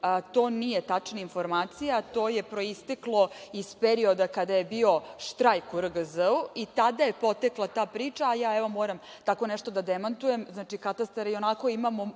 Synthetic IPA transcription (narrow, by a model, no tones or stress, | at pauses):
t̪o̞ːnije̞t̪at͡ʂnainfo̞ɾmaːt̪sijat̪o̞ːje̞pɾo̞ist̪eklˠo̞ispeɾio̞d̪akad̪aje̞bio̞ʃt̪ɾajkuɾəɡəzəuit̪ad̪aje̞po̞t̪eklˠat̪aːpɾiːt͡ʂaːjaːeʋo̞moːɾam | t̪ako̞nɛʂt̪o̞d̪ad̪emant̪uje̞mznaːt͡ʃikat̪ast̪aɾio̞nako̞imamo̞